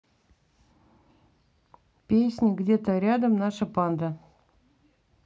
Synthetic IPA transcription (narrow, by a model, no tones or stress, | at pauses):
pʲesʲnʲəɡdʲet̪əɾʲad̪əmnaʂəpɑnd̪ə